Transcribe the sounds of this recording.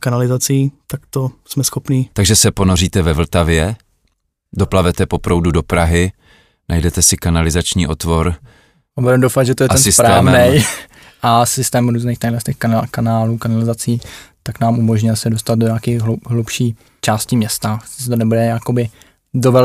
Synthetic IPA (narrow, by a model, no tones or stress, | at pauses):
kanalɪzat͡siːt̪akt̪osmɛsxopniːt̪aɡʒɛsɛponoriːt̪ɛvɛvl̩t̪avjɛ | doplavɛt̪ɛpo̞pɾowdudopɾaɦɪ | nʔa̰jdɛt̪ɛsɪkanalɪzat͡ʃɲiːʔo̞t̪voɾ | abudɛmdowfad̪ʒɛt̪ojɛt̪ɛnsɪspɾaaːvnɛj | ʔasɪst̪ɛːmɾuːzniːxt̪ajlɛst̪ɛxkakanaːluːkanalɪzat͡siːt̪aknaːmʔumoʒɲɪlsɛdost̪ad̪̚doɲaːkiːɣɦlupʃiː | t͡ʃaːscɪmɲɛst̪ḁsɛt̪onɛbudɛjakobɪ | dovɛ